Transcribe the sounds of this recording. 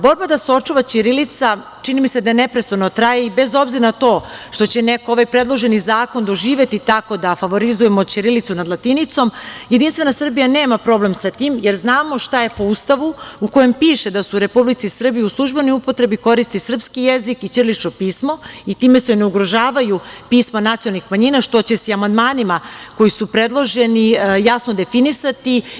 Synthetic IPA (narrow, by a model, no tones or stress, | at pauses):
bo̞ɾbad̪aseo̞t͡ʂuʋat͡ɕiɾilit̪sa | t͡ʃinimise̞d̪anepɾest̪anot̪ɾajeibe̞zo̞bziɾanat̪o̞ːʃt̪o̞t͡ɕe̞nekoo̞ʋajpɾe̞d̪lˠoʒe̞nizaːko̞nd̪oʒiːʋe̞t̪it̪ako̞d̪afaʋo̞ɾizuje̞mo̞t͡ɕiɾilit̪sunad̪lˠat̪init̪so̞mjed̪inst̪ʋe̞nasr̩bijaneːmapɾo̞ble̞msat̪iːmje̞ɾznaːmo̞ʃt̪ajepo̞ust̪aʋuuko̞je̞mpiːʃe̞d̪asuɾe̞publit̪sisr̩bijiuslˠuʒbe̞niupo̞t̪ɾe̞biko̞ɾist̪isr̩pskijezikit͡ʃrlit͡ʃnopiːsmo̞it̪iːme̞sene̞uɡɾo̞ʒaːʋajupiːsmanat̪ijonalnixmaɲiːnaʃt̪o̞t͡ɕe̞siamand̪maːnimako̞jisupɾe̞d̪lˠo̞ʒe̞nijasno̞d̪e̞finisat̪i